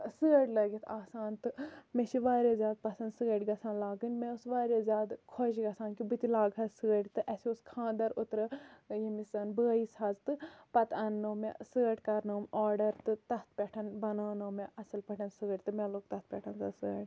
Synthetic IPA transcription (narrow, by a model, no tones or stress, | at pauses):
sɨːɐɽʲlɐɡit̪ʰaːsaːnt̪ɨmeʃiʋaːɾʲezʲjaːd̪̚pɐsɐnd̪sɨɡɐɽʲɡɐsãːnlaːɡɨnʲmeusʋaːɾʲezʲjaːd̪kʰoʃiɡɐsaːnkibɨt̪ilaːɡɐsɨɡɐɽʲt̪ɨʔɐsiuskʰãːnd̪ɐɾut̪ɾɐjemisɐnbɨɐjisaːzt̪ɨpɐt̪ɐnːowmḛsɨːɐʈkaɾnoːmɔːɾɖɐɾt̪ɨt̪ɐt̪̚ʰpʲɛʈʰɐnbɐnaːnoːmeʔɐsɨlpɐʈʰɐnsɨɐɽʲt̪ɨmeloːk̚t̪ɐht̪̚pʲɛʈʰɐnzasɨɐɽʲ